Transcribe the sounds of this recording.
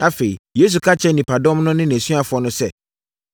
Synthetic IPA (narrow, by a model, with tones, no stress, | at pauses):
a˦fe˨i˨je˦s̬u˨kʰa˦t͡ɕʰɛ˦nĩ˨pʰa˨dɔ̃˦mnʊ̃˦nɪ̃˦ñ˨æ˨su˦a˨fʊ˨ɔ˦nʊ̃˦sɛ˦